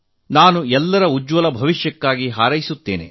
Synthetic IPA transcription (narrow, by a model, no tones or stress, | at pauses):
naːnuɛlːɐɾɐud͡ʒʋɐlɐbʱɐʋiʃjɐkːaːɡiɦaːɾɐjisut̪ːeːne̞̰